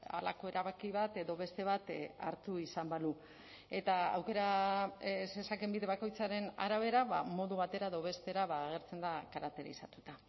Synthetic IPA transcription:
a̰la̰ko̞e̞ɾaβakiβat̪e̞ðo̞βe̞st̪e̞β̞at̪a̰ɾt̪uisambalu | e̞t̪aa̰wke̞ɾa | sesake̞mbiðe̞β̞ako̞jt͡saɾe̞na̰ɾaβe̞ɾaβamo̞ðuβat̪e̞ɾaeðoβ̞e̞st̪e̞ɾaβaːɣ̞e̞ɾt͡se̞nd̪akaɾakt̪e̞ɾḭsat̪ut̪a

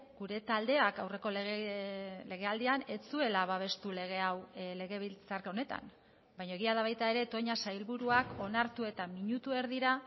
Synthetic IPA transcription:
ɡuɾe̞t̪ald̪e̞akawre̞ko̞lɣ | le̞ɣe̞ald̪iane̞t͡sue̞laβaβ̞e̞st̪ule̞ɣ̞e̞awle̞ɣe̞βilt͡sarkao̞ne̞t̪a̰m | bajɲo̞eɣ̞iaðaβajt̪ae̞ɾe̞t̪o̞ɲasajlβuɾuako̞naɾt̪ue̞t̪amiɲut̪ue̞ɾðiɾa

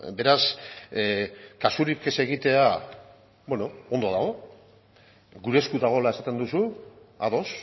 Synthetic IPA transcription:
be̞ɾas | kasuɾipke̞se̞ɣit̪e̞a | bweno̞ond̪o̞ðaɣ̞o̞ | ɡuɾe̞skuðaɣ̞o̞lae̞sat̪e̞nd̪usuaðo̞s

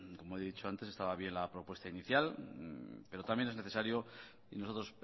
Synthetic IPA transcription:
ko̞moeðit͡ʃo̞ant̪esest̪aβaβ̞je̞nlapɾo̞pwe̞st̪ainiθjal | pe̞ɾo̞t̪amjeneneθe̞saɾjo̞ | inoso̞t̪ɾo̞s

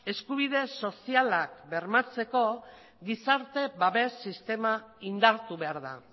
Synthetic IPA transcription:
e̞skuβ̞iðe̞so̞sialak̚be̞ɾmat͡se̞ko̞ | ɡisaɾt̪e̞βaβe̞sːist̪e̞maind̪aɾt̪uβe̞aɾða̰

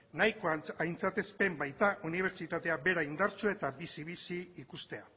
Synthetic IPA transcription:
najkoaajnt͡sat̪e̞spe̞mbajt̪aʔuniβ̞e̞ɾt͡ʃit̪at̪e̞abe̞ɾaind̪aɾt͡ʃue̞t̪abisiβisiːkust̪e̞a

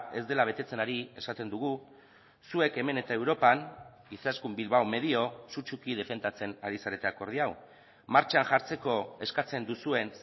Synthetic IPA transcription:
e̞zd̪e̞laβ̞e̞t̪e̞t͡se̞naɾie̞sat̪e̞nd̪uɣ̞u | sue̞ke̞me̞ne̞t̪aewɾo̞pan | isaskumbilβawme̞ðio̞sut͡ʃukið̞e̞fe̞nd̪at͡se̞naɾisaɾe̞t̪e̞ako̞ɾð̞iaw | maɾt͡ʃanʝaɾt͡se̞ko̞e̞skat͡se̞nd̪usue̞ns

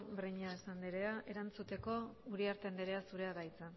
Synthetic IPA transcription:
bɾeɲaesand̪iɾeaʔe̞ɾant͡sut̪e̞ko̞uɾiaɾt̪end̪eɾe̞asuɾe̞aðajt͡sa

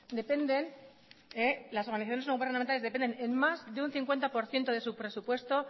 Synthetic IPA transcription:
d̪e̞pe̞nd̪e̞n | elaso̞ɾɣaniθaθjoesnoɣuβeɾrnament̪alezðepend̪e̞nenmazðeunθiŋkwe̞nt̪apo̞ɾθje̞nt̪o̞ðe̞supɾe̞supwe̞st̪o̞

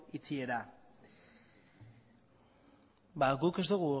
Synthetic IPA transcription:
it͡sie̞ɾa | baɡuke̞zd̪uɣu

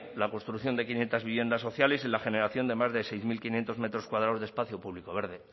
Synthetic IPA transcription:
lako̞nst̪ɾukθjo̞nd̪ekinje̞nt̪azβiβje̞nd̪asːo̞θjalesenlaxe̞ne̞ɾaθjo̞nd̪e̞mazðe̞sejzmilkinje̞nt̪o̞zme̞t̪ɾo̞skwað̞ɾaozðe̞spaθjo̞puβ̞liko̞βe̞ɾðe̞

